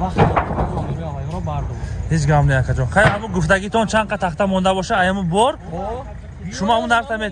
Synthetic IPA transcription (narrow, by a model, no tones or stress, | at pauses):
aχt̪ | ɔɾɔbaɾd̪ɔhet͡ʃɡamleakʰad͡ʒɔχajamuɡuft̪aɡit̪ʰɔnt͡ʃʰanqat̪ʰaχt̪amɔnd̪abɔʃaajamubɔɾ | ʃumɔamunaɾt̪ʰame